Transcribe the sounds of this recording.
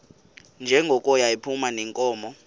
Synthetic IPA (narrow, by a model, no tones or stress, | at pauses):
nd͡ʒʱɛŋɡʱɔkʼɔjaipʰumanɛŋkʼɔːmɔ